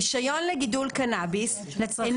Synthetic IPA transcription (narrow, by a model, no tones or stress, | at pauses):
iʃajonleɡid̪ulkanabis | en